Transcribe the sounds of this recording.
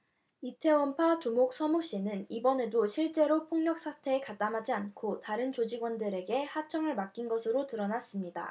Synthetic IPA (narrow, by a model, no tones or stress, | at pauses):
itʰe̞ompʰatumok̚s͈ʰʌmoɕ͈inɯnibʌne̞doɕʰiɭt͡ɕ͈e̞ɾopʰoŋɲʌk̚s͈ʰatʰe̞ːkat͈amɦad͡ʑiankʰotaɾɯnt͡ɕod͡ʑiɡwʌndɯɾe̞ɡe̞hat͡ɕʰʌŋɯɭmak͈inɡʌsʰɯɾotɯɾʌnas͈ɯmɲida̰